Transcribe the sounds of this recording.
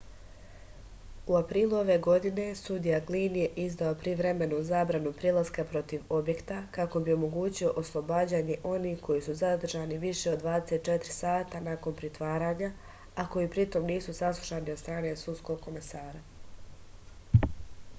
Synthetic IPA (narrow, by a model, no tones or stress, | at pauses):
uapɾiːlˠuo̞ʋe̞ɡo̞d̪ine̞sud̪ijaɡlinje̞ʔizd̪aopɾiʋɾe̞me̞nuzaːbɾanupɾilaskapɾo̞t̪iʋo̞bje̞kt̪akako̞bio̞mo̞ɡuːt͡ɕio̞ʔoslˠo̞baːd͡ʑaːɲe̞ʔo̞nihko̞jisuzad̪r̩ʒaːniʋiʃe̞o̞d̪ːʋaːd̪e̞se̞t̪̚t͡ʃe̞t̪ɾisaːt̪anako̞npɾit̪ʋaːɾaːɲa | ako̞iːpɾit̪o̞mniːsusaslˠu̥ʃaːniod̪st̪ɾaːne̞susko̞ɡ̚ko̞me̞saːɾa